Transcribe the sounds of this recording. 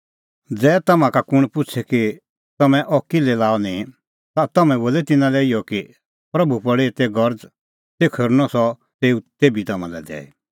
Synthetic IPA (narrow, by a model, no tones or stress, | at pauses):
d͡zɛːt̪ɐmãkakʊɽ̃pʊt͡ʃʰɛki | t̪ɐmɛ̃ʔɔkɪlɛlaːɔnĩ | t̪at̪ɐmɛ̃boːlɛt̪ɪnãlɛijɔki | pɾɐbupɐɽet̪ɛɡɐɾd͡z | sekʰɐɾnɔsɔ | t̪eːut̪eːbit̪ɐmã̰lɛ̰d̪ɛ̰ːḛ